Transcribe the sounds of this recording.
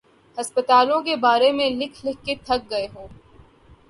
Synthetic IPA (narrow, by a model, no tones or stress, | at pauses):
hɐspət̪aːlõkebaːɾemẽlɪkʰlɪkʰːet̪ʰɐk̚ɡɐeɦoː